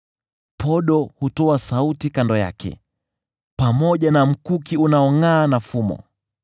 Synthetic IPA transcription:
pɔɗɔhutɔasautikandɔja̰kɛ̰ | pamɔʄanam̩kukiunaɔŋaːnafumɔ̰

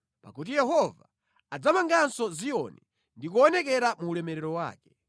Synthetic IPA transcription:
pa̰kut̬ijɛɦɔva̰ | ad͡zamaŋɡansɔzijɔni | ndik̬ɔːnɛkɛɾamuːlɛmɛɾɛɾɔwa̰ːkɛ̥

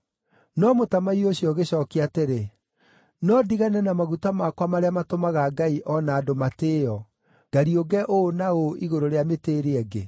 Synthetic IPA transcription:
nɔmotamaioɕiɔɣeɕɔːkeateɾe | nɔdiɣanɛnamaɣutamakwamaɾeamatomaɣaːɡaiʔɔnaːdomateɔ | ɡ̥aɾioɡɛʔonaoʔiɣoɾoɾeameteːɾeɛɡḛ

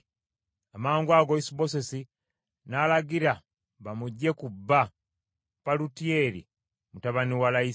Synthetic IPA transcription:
amaːŋɡwaɡoisibosesi | naːlaɡiɾa | βamuɟːe̞kubːa | palutieɾḭ | mutaβaniwalai

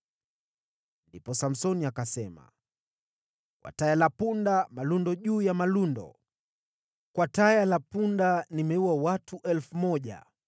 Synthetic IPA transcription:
ndipɔsam̩sɔniakasɛma̰ | kwa̰tajalapundamalundɔʄuːjamalundɔ̰ | kwatajalapundanimɛuwawatuʔɛlfumɔʄa̰

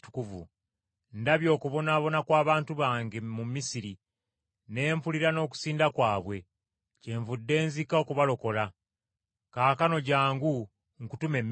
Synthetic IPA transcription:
tu̥kuvṵ | ndaβjo̞ːkuβo̞naːβo̞nakwaːβaːntuβaːŋɡemumːisiɾi | ne̞ːmpuliɾano̞ːk̬u̥siːndakwaːβwe̞ | ce̞ːɱvudːe̞ːnzikao̞kuβalo̞ko̞la | kaːkano̞ɟaːŋɡu | ŋkutume̞mː

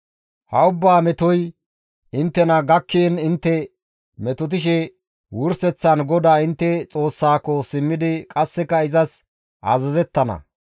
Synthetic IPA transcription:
hɐʊbːaːmɛt̪ɔj | ʔɪnt̪ːɛnɐɡɐkːenɪnt̪ːɛ | mɛt̪ɔt̪̬ɪʃ̬ɛ | wʊɾsɛt͡sːɐnɡɔd̪aːɪnt̪ːɛt͡sʼo̞ːsːaːkːɔsɪmːɪd̪ɪkʼɐsːɛkɐɪzɐs | ʔɐ̰zɐzɛt̪ːɐnɐ̰

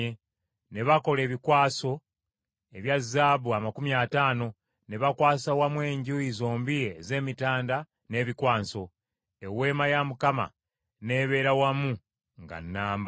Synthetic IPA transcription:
e | ne̞βako̞le̞ːβikwaːso̞ | eβjazaːβuamakumjaːtaːno̞ | ne̞βakwaːsawamwe̞ːɲɟuizo̞ːmbijeze̞ːmitaːnda | ne̞ːβikwaːnso̞ | ewe̞ːmajamukama̰ | ne̞ːβe̞ːɾawamu | ŋɡa̰nːaːmb

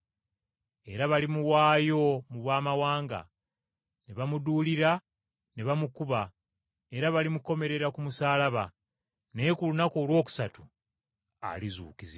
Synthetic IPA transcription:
e̞ɾaβalimuwaːjo̞muβwaːmawaːŋɡa̰ | neβamuduːliɾa | neβamukuβa | e̞ɾaβalimuko̞me̞ɾe̞ɾakumusaːlaβa̰ | ne̞kulunako̞ːlwo̞ːku̥satu̥ | a̰lizṵːkizi

